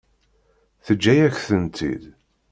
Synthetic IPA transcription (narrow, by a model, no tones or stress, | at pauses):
θəd͡ʒːæjæçθənt̪ʰḭd̪